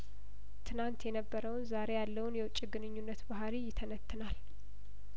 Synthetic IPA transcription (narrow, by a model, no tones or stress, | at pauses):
t̪ʰɨnant̪jɛnəbːəɾəwnzaɾe̞jalːəwʊnjɛwʊt͡ʃʼːiɡɨnɨɲːunːət̪baɦaɾijɪt̪ʰənət̪ʰːɨnal